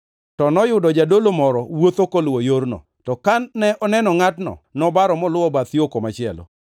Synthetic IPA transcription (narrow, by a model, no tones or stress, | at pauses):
tɔnɔjʊdɔd͡ʒadolomɔɾɔwot̪okolwojoɾnɔ̰ | tɔkanːɛʔɔnɛnɔŋatnɔ̰nɔbaɾɔmɔlʊwɔbat̪jokomat͡ʃɪɛlo̰